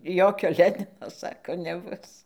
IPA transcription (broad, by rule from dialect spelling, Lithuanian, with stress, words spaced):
ˈjoːkʲoː ˈlʲæːnʲɪnoː ˈsɑːkoː nʲɛˈbʊs